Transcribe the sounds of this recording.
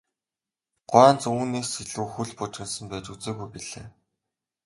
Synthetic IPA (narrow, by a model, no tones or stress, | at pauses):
ɢ̥ʊæːnt͡suːneːsiɮuːxuɮpʊt͡ɕrɘ̆nsə̆mpæːt͡ɕut͡seːɣujpiɮeː